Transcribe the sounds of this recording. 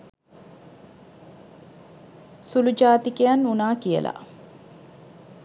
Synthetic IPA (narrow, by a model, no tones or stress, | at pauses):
sulud͡ʒaːt̪ikejanːunaːkijə̰lʔa̰